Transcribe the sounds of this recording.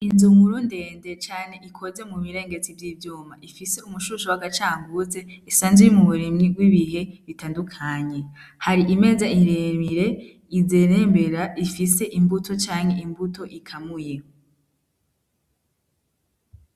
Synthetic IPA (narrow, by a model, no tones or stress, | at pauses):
inzumuɾunde̞ːnde̞t͡ʃaːne̞ʔikʰo̞ze̞muβiɾe̞ːŋɡe̞t͡sivjiːvjuːmaʔifise̞umuʃuʃuwaɡat͡ʃaːmbuze̞isaːnzejimuβuɾimŋiɡɡwiβiɦe̞βitaːndukʰaɲe̞haɾiʔime̞ːzaiɾemiɾe̞ | izeɾeːmbe̞ɾaifise̞ʔimbutʰo̞t͡ʃaːŋhe̞imbuto̞ʔikʰamuje